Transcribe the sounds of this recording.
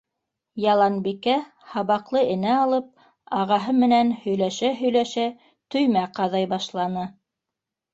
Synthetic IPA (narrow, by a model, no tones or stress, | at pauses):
jɑlˠɑnbikæ | hɑβɑqlˠɤɘ̆næɑlˠɤp̚ | ɑʁɑɦɤmɘ̆nænhɵ̆jlæʃæɦɵ̆jlæʃæ | t̪ɵ̆jmæqɑðɑjbɑʃlˠɑnɤ